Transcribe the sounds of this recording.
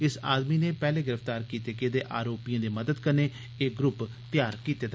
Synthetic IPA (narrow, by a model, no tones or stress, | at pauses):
ɪsa̰ːd̪miːneːpɛːleːɡɪɾəfʰt̪aːɾkiːt̪eːked̪eːʔaːɾoːpijãːd̪eːməd̪əd̪kəneː | eːɡɾʊp | t̪ɪjaːɾkiːt̪eːd̪